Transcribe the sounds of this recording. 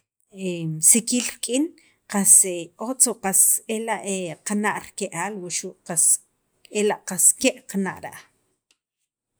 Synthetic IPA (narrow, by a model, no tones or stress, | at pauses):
esikiːlɾkʼin | qaseʔot͡soʔqaselaʔeqanaʔɾkeʔaːlwuʔʃuʔqas | elaʔqaskeʔqanaʔɾa̰ʔ